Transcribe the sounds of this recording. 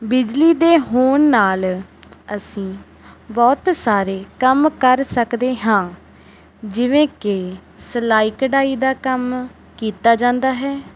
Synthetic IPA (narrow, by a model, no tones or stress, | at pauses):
bɪd͡ʒliːd̪eːɦoːnːaːləsĩː | bɔːt̪saːɾeːkəmkəɾsəkd̪eːɦãː | d͡ʒɪʋẽːkɪ | slaːikɖaːiːd̪aːkəm | kiːt̪aːd͡ʒãːnd̪aːɦɛː